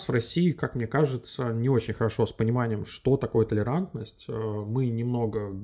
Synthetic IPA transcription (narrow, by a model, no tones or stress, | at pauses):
svrɐsʲiːkakmnʲekaʐɨt̪sənʲɪo̞t͡ɕɪnʲxəɾɐʂo̞spənʲɪmanʲɪjəmʂt̪o̞t̪ɐko̞jət̪əlʲɪɾant̪nəsʲtʲəmɨnʲɪmno̞ɡə